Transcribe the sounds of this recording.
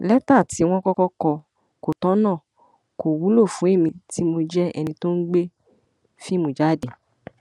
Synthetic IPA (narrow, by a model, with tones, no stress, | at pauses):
lɛ˦ta˦˨ti˨˦w̃ɔ̃˦kɔ˦kɔ˦kɔ˧ | ko˨tɔ̃˨˦nãː˦˨ | ko˨wu˨˦lo˦˨fũ˨˦e˦˨mĩ˧ti˦mo˧d͡ʒɛ˦ɛ̰˧nĩ˧to˦n̩˦ɡ͡be˦ | fi˦mũ˨˦d͡ʒa˦˨de˨